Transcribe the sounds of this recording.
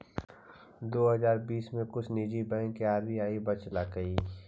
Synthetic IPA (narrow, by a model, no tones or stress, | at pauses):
d̪oːɦɐzaːɾbiːsmẽkʊt͡ʃʰniːd͡ʒibɛ̃ŋkiaːɾmiaːibɐt͡ʃlaːkəiː